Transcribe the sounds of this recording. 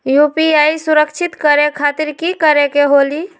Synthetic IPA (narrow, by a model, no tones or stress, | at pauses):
jupiaisuɾəkt͡ʃʰit̪kəɾekʰat̪iɾkikəɾekeɦoli